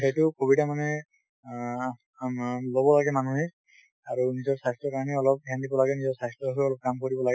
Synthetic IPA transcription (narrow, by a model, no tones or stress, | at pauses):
tʰajtʊkobitamanɛ | lobɔlaɡɛmanuɦe | aɹunizɔɹsastɹɔkaɹniɔlɔp̚kjandibɔlaɡɛnizɔɹsajstɹɔɦɔɔlɔp̚kamkoɹibɔlaɡɛ